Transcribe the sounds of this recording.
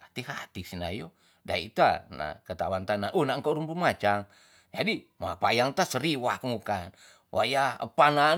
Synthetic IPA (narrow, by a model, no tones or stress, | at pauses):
at̪iɦat̪isina̰jo | da̰ḭt̪a̰na̰kət̪a̰want̪anaʔunaŋkoɾumbumat͡ʃaŋ | d͡ʒadimapajaŋt̪asəɾiwakmukan | wʔajaə̰pana